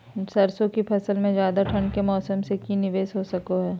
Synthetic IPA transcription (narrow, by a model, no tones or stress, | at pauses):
sɐɾsõkipʰɐsəlmẽzjaːd̪aʈʰɐ̃ɳɖkemɔːsəmsekinɪʋeːsɦosɐkoɦɛː